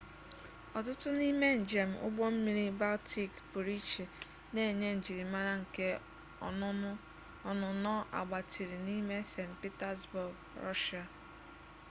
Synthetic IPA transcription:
ɔ˨tʊ˦tʊ˦ni˦me˦n̩˨d͡ʒe˨m̩˨ʔʊ̰˦ɡ͡bɔ˦m̩˦mi˦ɾi˦ba˦lti˨kbu˨ɾi˦t͡ʃe˨ | ne˦e˨ɲe˦n̩˨d͡ʒi˨ɾi˨ma˦ɾa˦ŋ̩˨ke˦ | ɔ˨nʊ˨nɔ˦ʔa̰˨ɡ͡ba˨tʰi˨ɾi˨ni˦me˦se˨npi˦ta˦sbʊ˨ɡ | ɾɔ̰˦ʃa˨

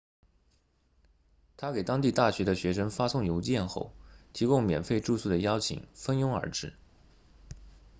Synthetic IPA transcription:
t̪ʰa˥ke˨˩ɪt̪ɑ˥ŋt̪i˥˧t̪a˥˩ɕɥɛ˧˥d̪ə˧ɕɥɛ˧˥ʂə˥ŋfa˥sʊ˥˩ŋjo˧˥ʊt͡ɕjɛ˥˧nxo˥˩ʊt̪ʰi˧˥kʊ˥ŋmjɛ̰˨˩nfe˥˧ɪʈ͡ʂu˥˧su˥˩d̪ə˩jɑ˥ʊt͡ɕʰḭ˨˩ŋfə˥njʊ˥ŋə̰˞˧˥ʈ͡ʂɻ̩˥˩

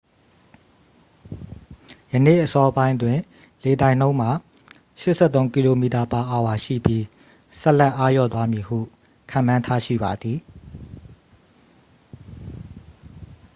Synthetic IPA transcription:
jə˨nḛ˦˨ʔəsɔ˦bã˦ɪ̃ndwɪ̃˨ | le˨dã˨ɪ̃nõ˦ʊ̃m̥a˨ | ʃɪ˦ʔsʰɛ˦˨t̪õ˦ʊ̃ŋki˨lo˨mi˨ta˨pa˨ʔa˨wa˨ʃḭ˦˨pji˦ | sɛ˦ʔlɛ˦˨ʔa˦jɔ̰˦˨t̪wa˦mji˨hṵ˦˨ | kʰã̰˨mã˦ntʰa˦ʃḭ˦˨ba˨d̪ði˨

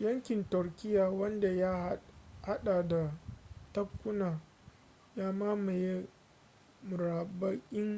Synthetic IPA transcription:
jɐ˦ŋkʲɪ˨ntʊ˨rkʲɪ˦jaː˨wɐ˦nda˨ja˦ha˦ɗa˨da˨tɐ˦b̚kʷːʊ˦naː˨ | jaː˦maː˦ma˨je˦ | mʊ˨ɾaː˨ba˦kʲʼɪ˦ŋ

